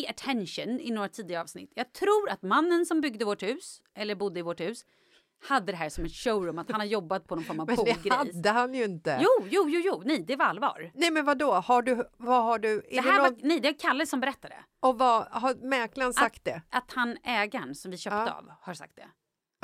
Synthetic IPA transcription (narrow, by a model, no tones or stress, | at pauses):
aʈʰɛnʂənɪ̰noːɾat̪ʰiːd̪ɪaɾəɑːvsnɪ̰t̪ʰːjɑːɡ̚t̪ʰɾuːɾat̪manːənsɔmbʏɡd̪əvɔʈhʉ̟ːsʔɛlːəɾbʊd̪ːəɪvɔʈhʉ̟ːs | had̪ːəd̪ɛɦæːʂɔmɛt̪ʂoʊɾʊmːat̪hhanhaɾjɔbːat̪̚pʰɔnɔnfɔɾmavmbuɡɾad̪ːəhanjɵɪnt̪əjuːjuːjuːjuːnɛjd̪ɛvaalːvɑ̰ːɾnɛjmɛnvad̪oːhaɖɵvaɦaɖɵɛdɛdɛhæɾvanɛjd̪ɛvakʰalːəsːɔmbɛɾɛt̪ːad̪ɛ̰ | ɔvahaɾmɛɾklansak̚t̪̚d̪ɛʔat̪hanɛːɡaɳsɔmvɪɕœːt̪əa̰vhaɾsa̰k̚t̪d̪ɛ